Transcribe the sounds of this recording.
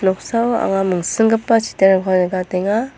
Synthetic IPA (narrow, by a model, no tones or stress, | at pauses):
nɔk̚sawa̰ŋamɯŋsɯŋɡɯpːat͡ʃi̥teɾakʰanɯɡateŋa